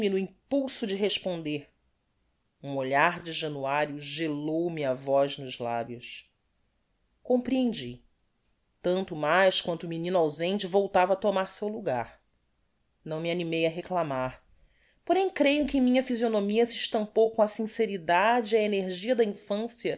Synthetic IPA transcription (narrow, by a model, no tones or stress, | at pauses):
minʊĩpuwsʊd͡ʒɪɦeʃpõnd̪eɾ | ũoʎaɾd͡ʒɪʒɐ̃nuaɾjʊʒelowmiɐvɔznʊʒla̰bjʊs | kõmpɾiẽnd͡ʒi | t̪ɐ̃nt̪ʊmajʃkwɐ̃nt̪ʊuminĩnʊawzẽnt͡ʃɪvowt̪avɐːt̪omaɾsewluɡaɾ | nɐ̃w̃mianimejɐɦeklamaɾ | poɾẽj̃kɾejʊkɪ̃mĩɲɐfizionomiɐsiʃt̪ɐ̃mpowkõɐsĩseɾid̪ad͡ʒɪiɐeneɾʒiɐd̪ɐĩfɐ̃sjɐ